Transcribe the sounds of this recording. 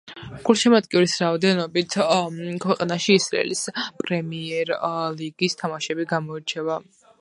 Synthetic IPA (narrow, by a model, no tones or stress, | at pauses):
ɡ̥ulˠʃɛmat̪̚kʼɛuɾisɾaɔd̪ɛnɔbit̪ʰkʰwɛqʼanaʃiːsɾa̰ɛ̰lispʼɾɛmiɛɾliɡist̪ʰamaʃɛbiɡamɔiɾt͡ʃʰɛva